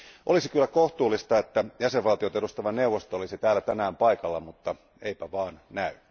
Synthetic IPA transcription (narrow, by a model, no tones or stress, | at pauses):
ʔolisikylːækoht̪uːlːist̪ɑet̪ːæjæseʋʋɑlt̪iot̪eust̪ɑʋɑneuwʋːost̪oolisit̪æːlːæt̪ænæːmpɑikɑlːɑmut̪ːɑ | eipæʋɑːnnæyn